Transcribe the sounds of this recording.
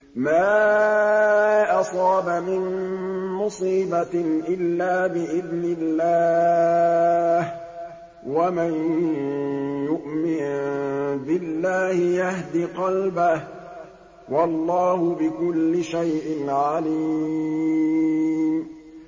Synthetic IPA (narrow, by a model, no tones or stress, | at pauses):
maː | ʔɑsˤɑːbamɪnmʊsiːbaʔɪlːaːbɪʔɪðnɪlːaː | h | waman | jʊʔmɪn | bɪlːaːhɪjahd̪iqɑlbah | wɑlˤːɑːhʊbɪkʊlːɪʃajʔɪnʕaliː | m